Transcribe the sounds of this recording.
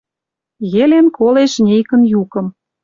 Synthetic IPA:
ɣelenkoleʃnʲejkə̆njukə̆m

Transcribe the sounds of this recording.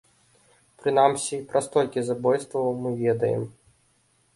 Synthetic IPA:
pɾɨnamsʲipɾʔɐst̪ɔlʲkʲizabɔjst̪vɐwmɨvʲɛd̪ɐ̰jɛ̰m

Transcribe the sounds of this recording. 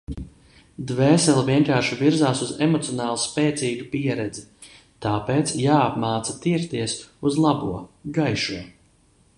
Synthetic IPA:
d̪vɛːsɛlˠviɛŋkaːɾʃiviɾzaːsuzemɔt̪siɔnaːlˠuspɛːt̪siːɡupiɛɾɛd̪zi | t̪aːpeːt̪sjaːapmaːt̪sat̪iɾt̪iɛsuzlˠabuɔɡajʃuɔ

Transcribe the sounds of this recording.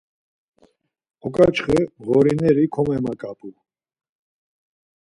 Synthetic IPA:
ɔkʼat͡ʃχɛɣɔɾinɛɾikʰɔmɛmakʼapʼu

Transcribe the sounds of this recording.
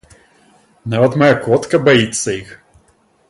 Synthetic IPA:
nɛɔt̪mɐjakɔt̪kɐbɐit̪sɐix

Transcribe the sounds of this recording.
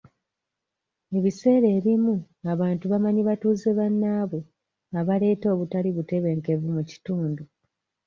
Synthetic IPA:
e̞βise̞ːɾe̞ːβimu | aβaːntuβamaɲiβatuːzeβanːaːβo | aβale̞ːto̞ːβutaliβute̞βe̞ŋke̞vumuci̥tuːndu

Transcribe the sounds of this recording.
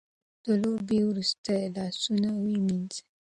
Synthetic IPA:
t̪olobiwɾust̪əlasunawimint͡se̥

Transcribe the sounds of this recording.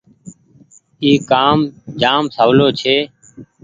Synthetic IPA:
iːkaːmd͡ʒaːmsəʋloːt͡ʃʰeː

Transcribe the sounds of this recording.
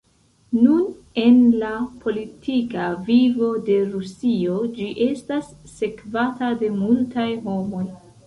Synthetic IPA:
nun | e̞nlapʰo̞litʰikavivo̞de̞ɾusio̞d͡ʒiʔe̞stasːe̞kvatade̞multajɦo̞mo̞j

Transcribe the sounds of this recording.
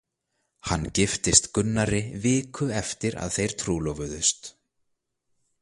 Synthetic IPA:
hanːcɪft̪ɪst̪kʏnːaɾɪvɪːkʰʏɛft̪ɪɾa̰ðθejɾ̥t̪ʰɾuːlɔvʏðʏst̪

